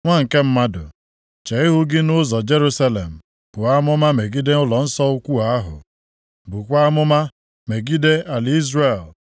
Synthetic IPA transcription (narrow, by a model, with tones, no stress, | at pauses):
ŋʷa˦ŋ̩˨ke˦m̩˦ma˦dʊ̰˨ | t͡ʃe˨i˦ɦʊ˦ɡɪ˦nʊ˦zɔ˨d͡ʒe˦ɾu˦sa˦le˨m̩˨ | b̥ʊ˨a˦mʊ˦ma˦me˨ɡi˦de˦ʊ˦lɔ˨n̩˦sɔ˦ʊ˦kʷu˦a˦ɦʊ̰˨ | bu˨kʷa˦mʊ˦ma˦ | me˨ɡi˦de˦a˨li˦zre˨l